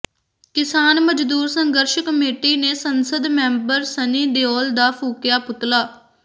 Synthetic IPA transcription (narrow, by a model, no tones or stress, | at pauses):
kɪsaːnməd͡ʒd̪uːɾsəŋɡəɾʃkəmeːʈiːneːsənsəd̪mɛ̃ːmbəɾsəniːd̪eɔːld̪aːpʰuːkjaːpʊt̪laː